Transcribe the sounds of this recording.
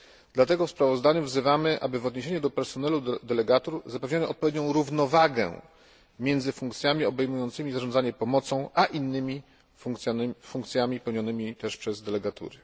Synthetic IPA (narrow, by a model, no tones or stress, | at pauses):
d̪̥lat̪ɛɡɔfspɾavɔzd̪aɲuvzɘvamɘʔa̰bɘvɔd̪ɲeɕ̬eɲud̪ɔpɛɾsɔnɛlud̪ɛlɛɡat̪uɾzapɛvɲanɔɔ̰t̪̚pɔvʲjeɛd̪ɲɔ̃w̃ɾuvnɔvaɡɛ̰ | mʲjɛnd̪zɘfuŋkt̪sʲjamʲiɔbɛjmujɔnt̪sɘmʲizaʐɔnd̪aɲɛpɔmɔt̪sɔ̃w̃aʔinːɘmʲi | uŋkt̪sʲnfuŋkt̪sʲjamʲipɛwɲɔnɘmʲit̪ɛʂpʂɛzd̪ɛlɛɡat̪ṵɾɘ